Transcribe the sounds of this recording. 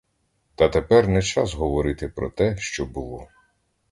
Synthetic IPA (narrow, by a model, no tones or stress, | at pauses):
t̪ɐt̪epɛrnɛt͡ʃɑsɦɔʋɔɾɪt̪ɪpɾɔ̰t̪ɛʃt͡ʃɔbʊlˠɔ